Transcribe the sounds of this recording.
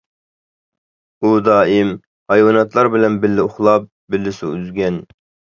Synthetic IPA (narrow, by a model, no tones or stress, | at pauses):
ud̪ɑːɪm | hɑjwɑnɑt̪lˠɑɾbɪlɛnbɪlːɪoχlˠɑp̚ | bɪlːɪsuyzɡʲɛn